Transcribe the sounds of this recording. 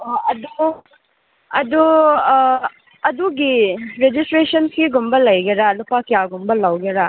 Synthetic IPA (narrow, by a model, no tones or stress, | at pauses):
oɐdu | ɐdu | ɐduɡiɾed͡ʒistɾesɐnsiɡumbɐlɐjɡɐɾalupakijaɡumbɐlawɡɐɾa